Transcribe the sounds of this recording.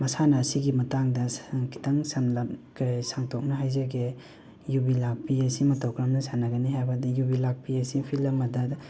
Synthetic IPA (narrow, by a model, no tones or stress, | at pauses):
mɐsanɐːsiɡimɐtaŋdɐkʰi̥tɐŋsanlɐpkasaŋtʰok̚nɐɦajzɐɡe | jubilak̚piesimɐtɐwkɾamnɐsanɐɡɐniɦajbɐdijubilak̚piesipʰilɐmɐdɐ